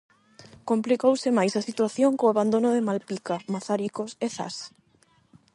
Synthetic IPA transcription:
komplikowsɪmajsasit̪waθjoŋkoaβand̪onoðemalpikamaθaɾikoseθa̰s

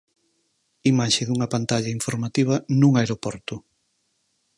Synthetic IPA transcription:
imaʃɪðuŋɐpant̪aʎɐiɱfoɾmat̪iβ̞ɐnũŋaeɾopɔɾt̪ʊ

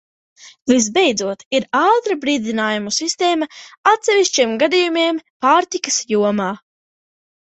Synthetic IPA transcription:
vis̬bejd̪zuɔt̪iɾaːt̪ɾabɾiːd̪inaːjumusist̪eːmɐat̪sɛviʃt͡ʃiɛmɡad̪ijumiɛmpaːɾt̪ikɐ̥sjuɔmaː

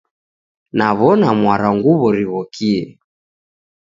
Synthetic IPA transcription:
naβɔnamwaɾaŋɡuβɔɾiβɔkiɛ

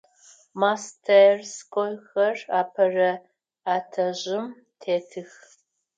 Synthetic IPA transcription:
mastʰɐrskʷʼɔjxɐraːpʰɐrɐ | aːtʰɐʑɪm | tʰeːtʰɨx

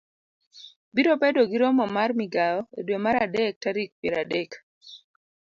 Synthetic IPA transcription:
biɾopɛdoɡiɾɔmɔmarmiɡaɔedwemaɾadɛk̚taɾik̚pjeɾadɛk

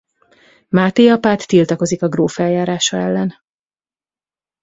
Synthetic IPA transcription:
maːt̪ejɒpaːt̪ːilt̪ɒko̞zikɒɡroːfɛljaːɾaːʃɒɛlːɛn

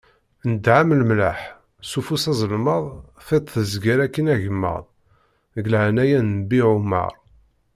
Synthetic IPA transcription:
nəd̪ʕamlmla̰ħ | sufusɑzˤəlməðˤ | fit̪ˤθəzɡæɾækːənæʝəmːə̰ʁðˤ | ɡlʕnæjænbiʕumːɑ̰ɾˤ

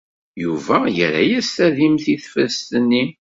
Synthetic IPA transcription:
juvæjə̰ɾæ̰jæst̪æðimθiθfəst̪ənːi

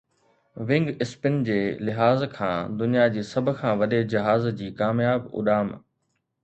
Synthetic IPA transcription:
ʋɪ̃ŋɡɪspɪnd͡ʑeːlɪɦaːzkʰãːd̪ʊnijad͡ʑiːsɐbʱʊ̆kʰãːʋɐɗed͡ʑɐɦaːzd͡ʑiːkaːmjaːbʊ̰ɗaːm

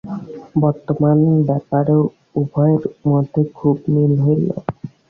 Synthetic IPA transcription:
bɔɾt̪ɔmanɔbɛpaɾeʊ | ubʱɔjeɾmɔd̪ʱekʰubmilɦojlɔ̰

